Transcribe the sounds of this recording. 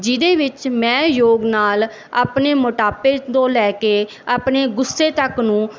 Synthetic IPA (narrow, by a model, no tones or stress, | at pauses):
d͡ʒɪd̪eːʋɪt͡ʃmɛ̃ːjoːɡnaːl | a̰ːpneːmʊʈaːpeːd̪õːlɛːkeː | aːpneːɡʊsːeːt̪əknũː